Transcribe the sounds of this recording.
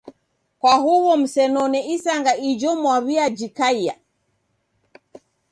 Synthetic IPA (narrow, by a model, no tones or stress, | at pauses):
kwahuwɔm̩sɛnɔnɛisaŋɡaʔid͡ʒɔmwaβiad͡ʒikaia̰